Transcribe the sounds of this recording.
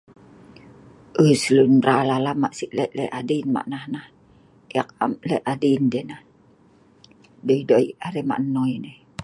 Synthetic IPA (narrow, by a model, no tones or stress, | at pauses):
ʔəsəlunralalamaʔsiʔlɛʔlɛʔadinma̰ʔnahnah | jak̚a̰mlɛʔadindenah | doidoiaɾɛma̰ʔnːojneh